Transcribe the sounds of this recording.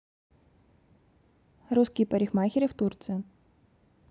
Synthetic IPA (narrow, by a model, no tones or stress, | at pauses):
ɾuskʲijpɐɾʲɪxmaxʲɪɾʲɪft̪urt̪sɨjɐ